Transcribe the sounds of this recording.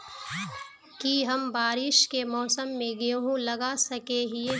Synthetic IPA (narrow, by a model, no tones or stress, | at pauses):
kiɦɐmbaːɾɪʃkemɔːsəmːẽɡeoɦũlɐɡasɐkeɦie